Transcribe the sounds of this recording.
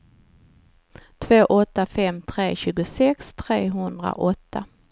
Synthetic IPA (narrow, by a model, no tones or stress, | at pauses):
t̪ʰv̥oːʔɔt̪ːafɛmt̪ʰɾeːɕʉ̟ːɡʊsɛkst̪ʰɾeːɦɵnd̪ɾa̰ʔɔt̪ːa